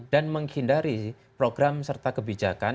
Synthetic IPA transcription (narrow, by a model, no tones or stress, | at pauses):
danməŋhindaɾi | pɾoɡɾamsərt̪akəbid͡ʒa̰kan